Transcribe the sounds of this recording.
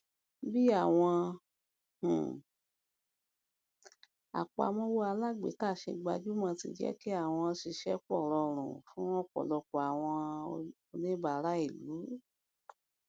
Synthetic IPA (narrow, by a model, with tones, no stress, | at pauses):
bi˦a˦˨w̃ɔ̃˧ | h̩˨ | a̰˨k͡pa̰˨˧˨mɔ̃˧˦wo˦a˧la˦˨ɡ͡bḛ˨˦ka˦˨ʃe˧ɡ͡ba˧d͡ʒu˦mã˧tḭ˧d͡ʒɛ̰˦ki˦a˦˨w̃ɔ̃˧ʃi˧ʃɛ˦k͡pɔ˦˨ɾɔ˧ɾ̃ṵ̃˨fũ˨˦ɔ̃˦k͡pɔ̰˨lɔ˧k͡pɔ˨a˨w̃ɔ̃˧o˧nĩ˦ba˨˦˧ɾa˦i˦˨lu˨˦